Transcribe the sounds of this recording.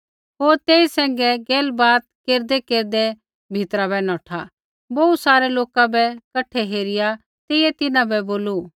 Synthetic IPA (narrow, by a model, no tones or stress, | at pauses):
ɦoːɾt̪eːisɛ̃ːŋɡɛɡeːlbaːt̪̚keːɾd̪ɛkeːɾd̪ɛ | bʱɪt̪ɾaβɛnɔːʈʰa | bɐusaːɾɛloːkabɛkɐʈʰːɛɦeːɾɪja | t̪eːɪjɛt̪ɪnãbɛboːlu